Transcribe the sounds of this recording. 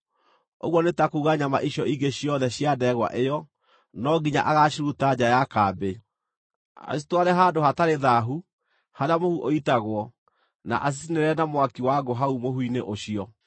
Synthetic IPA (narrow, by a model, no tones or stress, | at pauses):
o̰ɣwɔnetakuːɣaɲama̰ʔiɕjɔiɡeɕiɔðɛɕjadɛɣwa̰ʔejɔ | nɔɡiɲa̰ʔaɣaɕiɾutad͡ʑajakaːbe | a̰si̥twaɾɛɦaːdoɦataɾeðaɦu | haɾeamohuʔoitaɣwɔ | na̰ʔas̬isineɾɛnamowakiwaɡoɦaumohwineʔoɕiɔ